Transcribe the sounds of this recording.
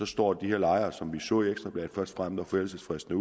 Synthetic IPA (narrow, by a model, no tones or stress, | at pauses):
ɒ̽sd̥ɒ̰ːd̥iheɐlɑ̈ɪɐːsɒ̽mʋisɔ̰ːieɡ̥sd̥ʁɐb̥ɛ̰̥ːfɶɐsd̥fʁamð̥̩ɒfelsəsfʁesd̥n̩əu